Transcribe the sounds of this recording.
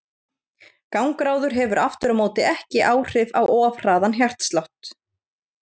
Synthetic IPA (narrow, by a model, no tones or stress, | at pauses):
kawŋkɾaːwðʏɾ̥ɦɛvʏɾʔaft̪ʏɾamoːwt̪ɪɛhcɪʔaːwr̥ɪvawɔːvr̥aːðançjar̥t̪st̪lawht̪